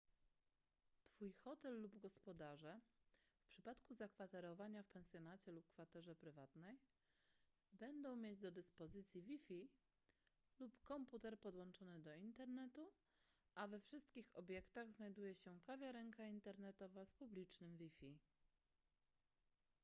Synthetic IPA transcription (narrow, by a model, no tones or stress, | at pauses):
t̪fujxɔt̪ɛlːubɡɔspɔd̪aʐɛfpʂɘpat̪kuzakfat̪ɛɾɔvaɲafpɛnsʲjɔnat͡ɕɛlup̚kfat̪ɛʐɛpɾɘvat̪nɛj | bɛnd̪ɔ̃w̃mʲjed͡ʑd̪ɔd̪ɘspɔzɘt̪sʲjivʲifʲi | lupkɔmput̪ɛɾpɔd̪wɔnt͡ʂɔnɘd̪ɔint̪ɛɾnɛt̪u | ʔavɛfʂɘst̪kʲixɔbʲjɛkt̪aɣznajd̪ujɛɕɛkavʲjaɾɛŋkaint̪ɛɾnɛt̪ɔvaspublʲit͡ʂnɘmvʲifʲi